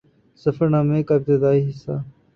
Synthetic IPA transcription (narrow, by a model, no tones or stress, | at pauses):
səfəɾnaːmẽːkab̚t̪ed̪aːiːɦɪsa̰ː